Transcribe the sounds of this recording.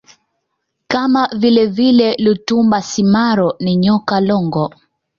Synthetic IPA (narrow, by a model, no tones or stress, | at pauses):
kamavilɛvilɛlutumbasimaɾɔniɲɔkalɔŋɡɔ